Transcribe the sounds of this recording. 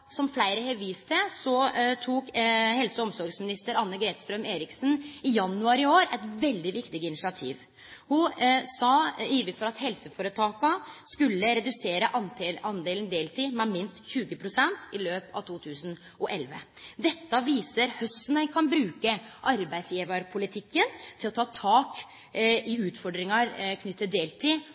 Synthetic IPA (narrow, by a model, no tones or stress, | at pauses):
sɔmflæɪɾəheʋiːst̪ʰəsɔt̪ʰuːkhɛlsəɔmsɔɾɡsmɪnɪst̪əɾɑnːəɡɾeːt̪st̪ɾœmeːɾɪksnɪjɑnːʉɑɾɪoːɾɛɪt̪ʋɛld̪ɪʋɪkt̪ɪɡəɪnɪsɪɑt̪ʰḭːʋ | hʊsɑiːʋənfɔɾɑt̪hɛlsəfoːɾət̪ʰɑːkɑskʉlːəɾɛd̪ʉseːɾəʔɑɑnd̪eːlnd̪eːlt̪ʰiːmɛmɪnst̪çʉːɡəpʰɾʊsɛnt̪ɪløːpɑ̰ʋt̪ʰuːt̪ʰʉːsn̩ | ʔɔʔɛlʋə̰d̪ɛt̪ːəʋiːsəɾhœst̪nəkʰɑnbɾʉːkəʔɑɾbæɪd̪sjiːʋɑɾpʰʊlɪt̪ʰɪkːənt̪ʰɪlɔt̪ʰɑːt̪ʰɑːk | ɪʉːt̪fɔɖɾɪŋɑɾkʰnʏt̪ːət̪̚d̪eːlt̪ʰiː